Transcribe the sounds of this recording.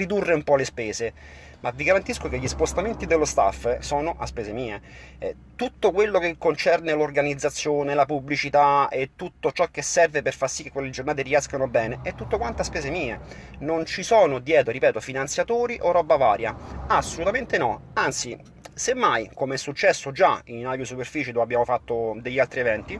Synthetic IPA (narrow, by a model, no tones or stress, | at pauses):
rid̪urːeumpɔlespɛːze | maviɡaɾant̪iskokeʎːispost̪ament̪id̪elːost̪a̰fːsɔːnoʔa̰spɛːsemiːḛ | t̪ut̪ːokwelːokekːont͡ʃɛrnelorɡanid̪zːat̪sːjoːnelapublit͡ʃit̪aet̪ːut̪ːot͡ʃɔk̟ːesːɛrveperfarsikːekwelːed͡ʒornaːt̪eriɛskanobɛːneɛt̪ːut̪ːokwant̪oaspɛːsemiːe | nont͡ʃisɔːnod̪jɛːt̪oɾipɛːt̪ofinant̪sjat̪oːɾiʔorɔbavaːɾjaasːolut̪ament̪enɔant̪si | semːajkomeɛsːut͡ʃːɛsːod͡ʒa̰inaɡosuperfiːt͡ʃed̪oabːjaːmofat̪ːod̪eʎːalt̪ɾievɛnt̪i